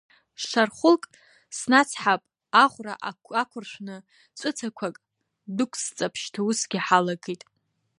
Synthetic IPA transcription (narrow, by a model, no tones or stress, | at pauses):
ʂarχʷʊlkʼ | snat͡sʰħapʼ | aʁʷraʔaakʷʰʊrʃʷnɨ | t͡sʷʼʊt͡sʰakʷʰakʼ | dʊkʷʰst͡sʼapʰʃtʰausɡʲɪħalaɡitʼ